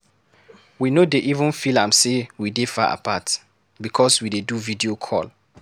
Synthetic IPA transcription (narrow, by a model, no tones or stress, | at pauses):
winodeʔivə̃nfilãmsewidefa̰ʔa̰pʰat | bikʰɔswideduvidiokʰɔ̰l